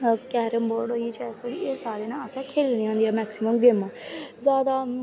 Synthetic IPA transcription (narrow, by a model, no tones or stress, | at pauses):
kɛːɾəmboːɖɦoːiːt͡ʃɛːsoːieːsaːɽeːnaːəsãːkʰeːlniːɦõːnd̪iːɛːmɛːksɪməmɡɪmãːzjaːd̪aː